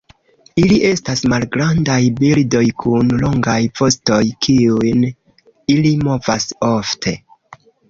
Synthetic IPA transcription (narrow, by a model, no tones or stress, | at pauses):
iliʔe̞stasmalɡɾandajbildo̞jkʰunlo̞ŋɡajpo̞sto̞jkʰiujn | ilimo̞vaso̞ftʰe̞